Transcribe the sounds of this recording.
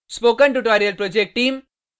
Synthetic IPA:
spoːkɐ̃nʈuʈoːɾijɐlpɾoːd͡ʒek̚ʈʈĩːm

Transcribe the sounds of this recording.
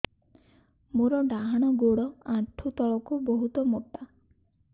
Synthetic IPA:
muɾɔɖaɦaɽ̃ɔɡoɽɔaʈ̪ʰːut̪ɔɭɔkubɔɦut̪ɔmoʈa

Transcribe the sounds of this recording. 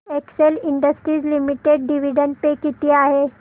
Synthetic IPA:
ekseliɳɖəsʈɾiːd͡zlimiʈeɖ̚ɖiʋiɖəɳʈ̚pekit̪iːaɦe

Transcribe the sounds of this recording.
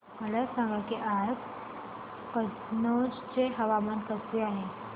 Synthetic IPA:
məlasãŋɡakiʔaɾk | kə | nod͡ʑt͡seɦəʋamənkəseaɦe

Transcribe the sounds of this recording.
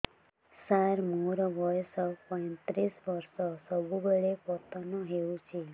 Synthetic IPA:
saɾmuɾʋɔjsɔpɔ̃jt̪ɾisʋəɾsɔsəbʱubəɭepɔt̪ɔnɔɦeũt͡ʃʰe

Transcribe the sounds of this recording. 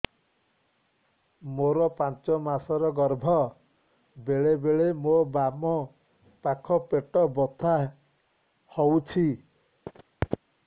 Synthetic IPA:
moɾɔpant͡ʃɔmasɔɾɔɡɔɾbʱɔ | beɭebeɭemobamɔ | pakʰɔpeʈɔbɔt̪ʰa | howt͡ʃʰi

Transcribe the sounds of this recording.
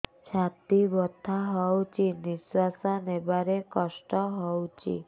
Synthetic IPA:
t͡ʃʰat̪ibɔt̪ʰːaɦɔwt͡ʃʰiniswasɔnebaɾekɔsʈɔɦɔwt͡ʃʰḭ

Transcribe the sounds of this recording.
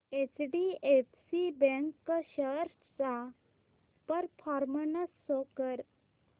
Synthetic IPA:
et͡sɖiefsibɛ̃ŋkːɕəɾ | t͡sa | pəɾfʰɔɾmənəsːokəɾ

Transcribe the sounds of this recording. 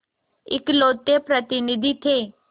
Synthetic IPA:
ɪ̰kloːt̪ːepɾət̪ɪnid̪ʱit̪ʰeː

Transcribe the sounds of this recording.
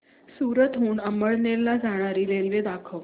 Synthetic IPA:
suɾət̪ɦuːɳəməɭnelad͡zaɽ̃aɾilelʋed̪akʰəʋ

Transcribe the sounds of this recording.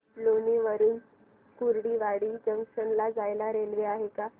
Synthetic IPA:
loniʋəɾuːn | kuɾɽiːʋaɽiːd͡ʑəŋkʂəɳlad͡zajlaɾelʋeaɦeka

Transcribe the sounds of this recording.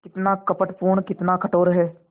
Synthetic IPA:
kɪt̪naːkəpəʈpuːɳkɪt̪nãːkʰəʈoːɾəɦeː

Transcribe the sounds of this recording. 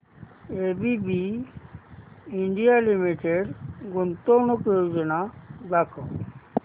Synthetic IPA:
ebibi | iɳɖijalimiʈeɖɡunt̪ɔɾnɔkjod͡ʒɔnad̪akʰɔ

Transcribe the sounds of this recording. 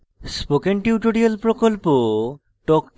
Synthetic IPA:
spokenʈiwʈoɽiolpɾokolpo | ʈɔkʈ

